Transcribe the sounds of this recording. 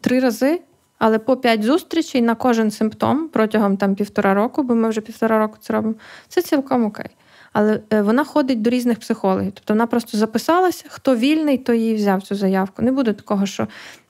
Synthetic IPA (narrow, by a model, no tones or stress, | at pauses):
t̪ɾɪɾɐzɪ | ɐlˠɛpɔpʲjatʲzust̪ɾʲit͡ʃɪjnɐkɔʒɪnsɪmpt̪ɔ̰mpɾɔtʲɐɦɔmt̪ɑmpʲiwt̪ɔɾʔɑɾɔkʊbɔmɪwʒɛpʲiwt̪ɔɾɑɾɔkʊ̥t̪sɛɾɔbɪmɔt̪ɛt͡sʲilˠkɔmɔkɛ̰j | ɐlˠɛʋɔnɑxɔd̪ɪt̚ʲd̪ɔɾʲiznɪxpsɪxɔlˠɔ̰ɦiwt̪ɔ̥pt̪ɔʋɔnɑpɾɔst̪ɔzɐpɪsɑlˠɐsʲɐxt̪ɔʋʲilʲnɪjt̪ɔjijiwzʲɑwt͡sʲuzɐjɑwkʊnɛbud̪ɛt̪ɐ̥kɔɦɔʃt͡ʃɔ